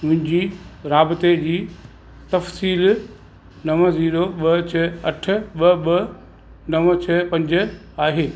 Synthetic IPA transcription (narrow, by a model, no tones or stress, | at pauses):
mʊ̃ɦɪ̃ɲd͡ʑiɾaːbɪt̪ed͡ʑiː | t̪ɐfsiːl | nɐʋziːɾoɓɐt͡ɕʰɐɐʈʰɪ̆ɓɐɓɐ | nɐʋt͡ɕʰɐpɐ̃ɲd͡ʑɪ̆ | aːɦeː